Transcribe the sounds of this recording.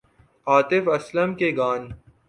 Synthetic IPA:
aːt̪ɪfɐslɐmkeɡaːn

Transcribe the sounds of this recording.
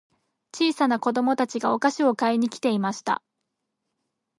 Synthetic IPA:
t͡ɕiːsanako̞d̪o̞mo̞t̪at͡ɕiɡao̞kaɕio̞kaeɲ̟ikʲi̥t̪e̞imaɕi̥t̪a̰

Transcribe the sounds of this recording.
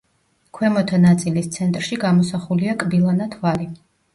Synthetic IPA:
kʰwɛmɔt̪ʰanat̪sʼilist̪sʰɛnt̪ʼɾʃiɡamɔsaχuliakʼbilˠanat̪ʰvali

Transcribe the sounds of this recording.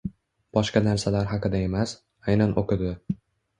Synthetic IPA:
b̥ɒʃqɑnaɾsalaɾɦɑqɨd̪ae̞mas | ajnanʔoqɪd̪ɪ

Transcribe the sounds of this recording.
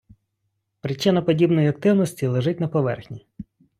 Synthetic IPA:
pɾɪt͡ʃːɪnɐpɔdʲibnɔjiɐk̚t̪ɪwnɔsʲtʲilˠeʒɪt̚ʲnɐpɔʋɛ̰rxnʲi

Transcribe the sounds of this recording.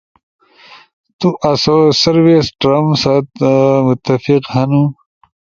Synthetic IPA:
t̪uʔɐsosɐɾwesʈɾɐmsat̪mʊt̪ːɐfiqhɐnu

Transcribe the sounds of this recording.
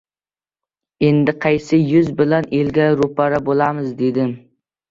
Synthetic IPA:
e̞nd̪ɪqʰɑjsɪjʊzbɪlanelɡʲaɾʊpaɾabolˠamɪzd̪e̞d̪ɪm

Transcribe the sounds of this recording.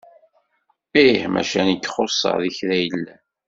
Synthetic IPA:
ihmæ̰ʃænəkːχosˤːɑ̰ʁðiçðæjəlːæ

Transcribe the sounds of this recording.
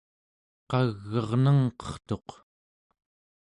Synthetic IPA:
qɑɣːʌʁnəŋqʌ̥χt̪o̞q

